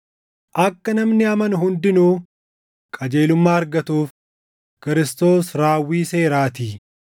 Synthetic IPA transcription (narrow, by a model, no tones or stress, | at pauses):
ʔɐkːɐnɐmnɪɐmɐnɦʊnd̪ɪnuː | kʼɐd͡ʒe̞ːlʊmːaːɐɾɡɐt̪uːf | kɪɾɪst̪o̞ːsɾaːwːiːse̞ːɾaːt̪iː